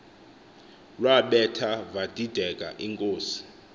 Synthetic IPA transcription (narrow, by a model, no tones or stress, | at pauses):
lwaɓɛtʰavad̥ʱid̥ʱɛk̬ʼa̰ʔiŋkʼoːsi̥